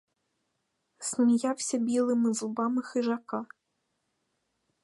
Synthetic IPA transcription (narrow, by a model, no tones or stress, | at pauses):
snʲijawsʲɐbʲilˠɨmɨzubɑmɨxɨʒɑka